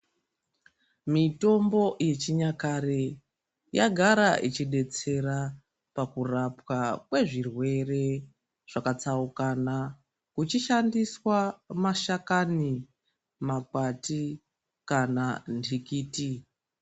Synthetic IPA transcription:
mito̞mbo̞je̞t͡ʃiɲakaɾe | jaɡʱaɾaʔit͡ʃiɗe̞t͡se̞ɾa | pakurapwakwe̞ʐirwe̞re̞ | ʐ̥akat͡saukana | kut͡ʃiʃandiswamaʃakani | makati | kanandʰʱikiːti

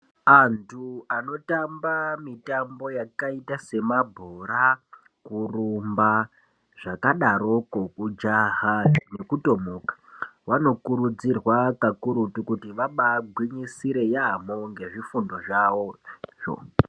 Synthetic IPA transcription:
antʰuano̞tambamitambo̞jakaitase̞mabʱoɾa | kurumba | ʐ̥akaɗaɾo̞kokud͡ʒaɦane̞kuto̞mokḁwano̞kuɾud͡zirwakakuɾutukutiʋaɓaɡʱwiɲisiɾe̞jamoŋɡe̞ʐifundo̞ʐawo̞ʐo̰

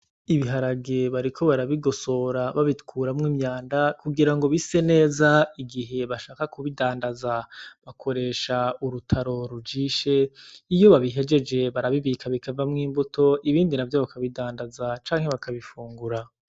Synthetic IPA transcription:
iβiɦaɾaɡeβaɾikʰoβaɾaβiɡo̞so̞ɾaβaβitkʰuːɾamŋiːmɲaːndakuɡiɾaŋɡo̞βise̞ne̞ːzaiɡiɦe̞βaʃaːkakuβidaːndazaβakʰo̞ɾe̞ʃauɾutʰaɾo̞ɾud͡ʒiːʃe̞ijo̞βaβiɦe̞d͡ʒe̞d͡ʒe̞βaɾaβiβiːkʰaβikʰavamŋiːmbutʰo̞ʔiβiːndinavjoβakʰaβidaːndazat͡ʃaːŋ̥he̞βakʰaβifuːŋɡuɾa

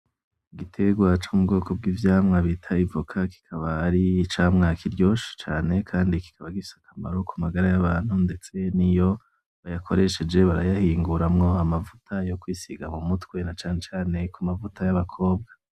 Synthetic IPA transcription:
ɡitʰe̞ɡwat͡ʃomubɡo̞ːkʰob̚ɡiːvjaːmŋaβitʰaivukʰaki̥kʰaβaːɾit͡ʃaːmŋakʰiɾɟo̞ːʃi̥t͡ʃaːne̞kʰaːndiki̥kaβaɡifi̥sḁkʰama̰ɾo̞kumaɡaɾajaβaːn̥hunde̞t͡se̞nijo̞ | βajakʰo̞ɾe̞ʃe̞d͡ʒe̞βaɾajahiːŋɡuɾamŋo̞amavutʰajo̞kwisiɡamumutkwe̞nat͡ʃaːne̞t͡ʃaːne̞kumavutajaβakʰo̞ːbɡa

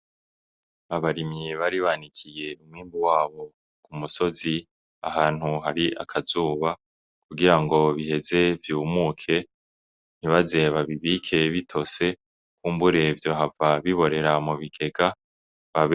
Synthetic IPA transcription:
aβaɾimɲiβaɾiβanikʰije̞umŋiːmbuwaːβo̞ | kumuso̞zi | a̰ɦaːn̥huɦaɾiʔa̰kʰazuːβa | kuɡiɾaŋɡo̞βihe̞ze̞vjuːmuːkʰe̞ | n̥hiβaze̞βaβiβiːkʰe̞βitʰo̞se̞ | kuːmbuɾe̞vjoɦavaβiβo̞ɾe̞ɾamuβiɡe̞ɡa | βaβ

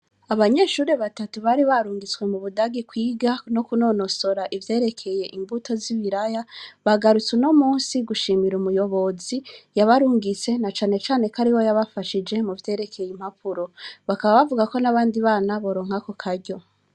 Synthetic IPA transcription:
aβaɲe̞ːʃuːɾe̞βatatuβaɾiβaɾuːŋɡit͡swe̞muβudaɡikwiːɡano̞kuno̞no̞so̞ɾaʔivje̞ːɾe̞kʰe̞je̞ʔimbutʰo̞ziβiɾajaβaɡaɾut͡sweno̞muːnsiɡuʃiːmiɾumujo̞βo̞zijaβaɾuːŋɡit͡se̞nat͡ʃaːne̞t͡ʃaːne̞kaɾiwo̞jaβafaʃid͡ʒe̞muvje̞ːɾe̞kʰe̞jim̥hapʰuɾo̞βakaβaβavuɡako̞naβaːndiβaːnaβo̞ɾo̞ːŋ̥hako̞kʰaɾɟo̞

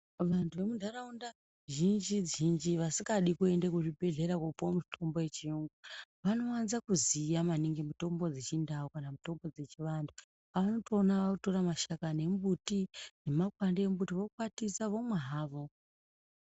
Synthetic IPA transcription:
ʋantʰuʋe̞mudʱaɾaunda | ʒind͡ʒid͡zind͡ʒiʋasiɡaɗikue̞ndekuʐibʱe̞ɮe̞ɾakopomutʰo̞mbo̞je̞t͡ʃiuŋɡuʋano̞wanzakuzijamaniŋɡemuto̞mbo̞d͡zet͡ʃindaukanamuto̞mbo̞d͡ze̞t͡ʃiʋandʰu | aʋano̞to̞ːnaʋakuto̞ɾamaʃakane̞mbutine̞makwandeembutiʋo̞kwatisaʋo̞mweɦaːʋo̞

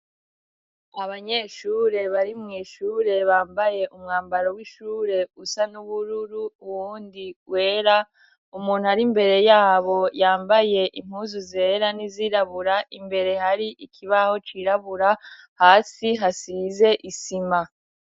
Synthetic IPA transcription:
aβaɲe̞ːʃuːɾe̞βaɾimŋiːʃuːɾe̞βaːmbaje̞umŋaːmbaɾowiʃuːɾe̞usanuβuɾuɾuːwuːndiwe̞ːɾa | umuːn̥uhaɾimbe̞ɾe̞jaːβo̞jaːmbaje̞ʔim̥huːzuze̞ːɾaniziɾaβuɾaʔimbe̞ɾe̞haɾiʔikʰiβaho̞t͡ʃiɾaβuɾahaːsiɦasize̞ʔisima

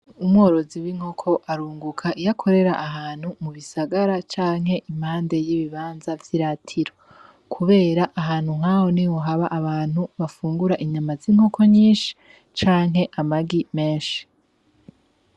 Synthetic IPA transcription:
umŋo̞ːɾo̞ziwiŋ̥ho̞kʰo̞ʔaɾuːŋɡukʰaʔijakʰo̞ɾe̞ɾaʔaɦaːn̥humuβisaɡaɾat͡ʃaːŋhe̞ʔim̥aːnde̞jiβiβaːnzavjiɾatʰiɾo̞ | kʰuβe̞ːɾaʔaɦaːn̥huŋ̥haho̞niwoɦaβaʔaβaːn̥huβafuːŋɡuɾaʔiɲamaziːŋhokʰo̞ɲiːnʃi̥ | t͡ʃaːŋɦe̞ʔamaɡime̞ːnʃi̥

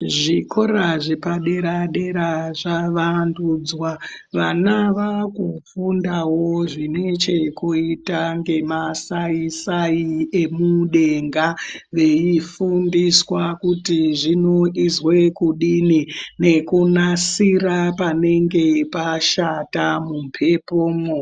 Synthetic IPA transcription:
ʐikʰo̞ɾaʐepaɗe̞ɾaɗe̞ɾaʐaʋanduːd͡zwaʋanaʋakufundawoo̞ʐine̞t͡ʃe̞kuitaŋɡe̞masaisaie̞muɗe̞ŋɡaʋe̞ifundiswakutiʐino̞ʔizwekuɗinine̞kunasiɾapane̞ŋɡe̞paʃatamumpʰe̞poːmo

